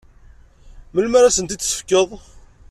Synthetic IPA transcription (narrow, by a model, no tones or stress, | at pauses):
məlməɾasənt̪it͡sːsə̥fkːəðˤ